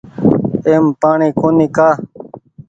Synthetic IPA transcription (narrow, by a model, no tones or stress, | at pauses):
eːmpaːɳĩːkoːniːkaː